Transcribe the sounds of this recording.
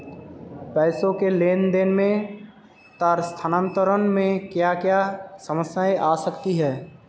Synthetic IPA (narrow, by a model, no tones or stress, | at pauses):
pɛːsõkeleːnd̪eːnmẽ | t̪aɾst̪ʰanə̃nt̪əɾənmẽkjakjasəməsjaːeʔaːsəkt̪iɦɛː